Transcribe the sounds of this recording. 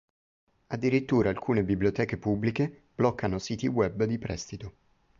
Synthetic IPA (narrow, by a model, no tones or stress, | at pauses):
ad̪ːiɾit̪ːuːɾaːlkʰuːnebibliot̪ɛːkepubːlikeb̥lɔkːanosiːt̪iwɛbd̪ipɾʔɛ̰st̪it̪o